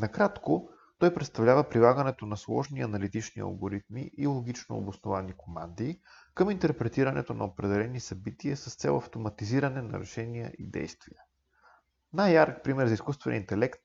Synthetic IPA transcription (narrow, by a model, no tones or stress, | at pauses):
nɐkɾat̪ko | t̪ɔjpɾɛt̪st̪ɐvlʲavəpɾilˠaɡənɛt̪onɐslˠɔʒniɐnɐlit̪it͡ʃniɐ̰lˠɡoɾit̪mḭʔilˠoɡ̟it͡ʃno̰ːbosnovanikoma̰nd̪iː | kɤmint̪ɛɾpɾɛt̪iɾənɛ̰t̪onɐ̰opɾɛd̪ɛlɛnisɐbit̪iəsɐst̪sɛ̰lˠɐft̪omɐt̪iziɾənɛnɐ̰ɾɛ̰ʃɛniə̰ʔḭd̪ɛ̰jst̪viə | najaɾk̚pɾimɛɾzɐiskust̪vɛn̰int̪ɛlɛkt̪̚